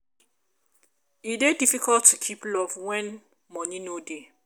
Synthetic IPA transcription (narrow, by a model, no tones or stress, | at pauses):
idedifikʰɔltʰːukʰiplɔvwɛ̃n | mɔnĩnode